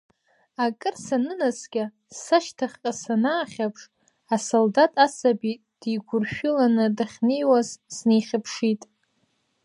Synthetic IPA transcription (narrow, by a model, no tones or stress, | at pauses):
akʼɨrsanɨnasɡʲa | saʃtʰaχʲqʼasanaːχʲapʰʂ | asoldatʼasabitʼ | d̥iɡʷʊrʃᶣʊlanɨdaχʲnejwazsnejχʲɪpʰʂitʼ